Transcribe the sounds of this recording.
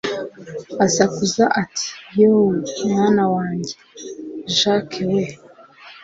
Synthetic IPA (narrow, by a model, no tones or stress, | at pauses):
azakuzaʔatʰi̥jowumŋaːnawaːɲɟe | ʒakewe